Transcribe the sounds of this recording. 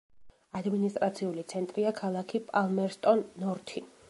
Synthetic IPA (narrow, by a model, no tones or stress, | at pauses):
ad̪minist̪ʼɾat̪sʰiulit̪sʰɛnt̪ʼɾiakʰalˠakʰipʼalˠmɛɾst̪ʼɔnːɔɾt̪ʰi